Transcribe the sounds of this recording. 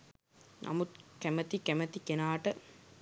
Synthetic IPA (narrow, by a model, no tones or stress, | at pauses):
nʔa̰mut̪kæmɐt̪ikæmɐt̪ikenaːʈə